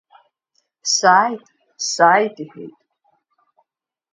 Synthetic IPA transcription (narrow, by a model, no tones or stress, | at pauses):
saːjtʼ | saːjdiħḛjtʼ